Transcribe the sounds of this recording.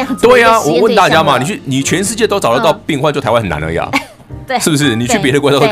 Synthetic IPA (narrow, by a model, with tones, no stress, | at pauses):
t̪we˥˩ɪa˨˩wɔ˨˩wə˥˨nt̪a˥˩t͡ɕja˥ma˨ni˨˩t͡ɕʰy˥˩ni˨˩t͡ɕʰɥɛ˧˥nʂɻ̩˥˧t͡ɕjɛ˥˧t̪o˥ʊʈ͡ʂɑ˨˩ʊlə˦t̪ɑ˥˧ʊpi˥˧ŋxwa˥˧nt͡ɕo˥˩tʰa˧˦wxna̰˧˦nlə̰˧ja̰˨˩ | ʂɻ̩˥˩bu˩ʂ̬ɻ̩˥˩ni˨˩t͡ɕʰy˥˩pjɛ˧˥ɾə˧k̪